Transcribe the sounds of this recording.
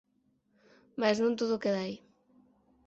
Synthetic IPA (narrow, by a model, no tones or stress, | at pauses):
maznũnt̪oðʊkeðaj